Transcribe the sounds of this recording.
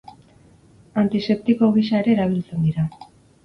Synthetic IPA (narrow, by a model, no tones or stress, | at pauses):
ant̪ise̞p̚t̪iko̞ɣ̞isae̞ɾe̞ːɾaβ̞ilt͡se̞nd̪iɾa